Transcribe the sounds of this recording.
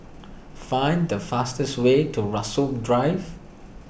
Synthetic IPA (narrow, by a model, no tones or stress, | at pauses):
fãj̃ndəfastəswetʰuɹasop̚dɹaɪv